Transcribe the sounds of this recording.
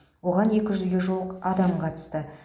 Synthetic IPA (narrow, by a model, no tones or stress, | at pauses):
wo̞ʁɑne̞kʲɪʒʏzɡʲeʒulˠəqɑd̪ɑmqʰɑt̪ə̥st̪ə